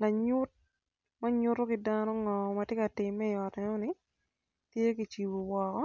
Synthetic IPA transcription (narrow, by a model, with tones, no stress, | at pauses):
la˨ɲʊ˦t̚ | ma˦ɲʊ˦ɾo˦kɪ˦danɔ˦ŋɔ˨mɐ˨tjɛ˦ka˨tɪ˨mːɛ˦ɪ˨ɔ˨tɛ˦nɔ˦nɪ˨ | tje˦ki˨t͡ʃi˨wo˨wɔ˨kɔ˦